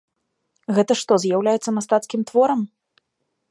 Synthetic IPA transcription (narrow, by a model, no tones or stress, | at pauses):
ɣɛt̪ɐʂt̪ɔzjawlʲajɛt̪sɐmast̪at̪skʲimt̪vɔɾɐm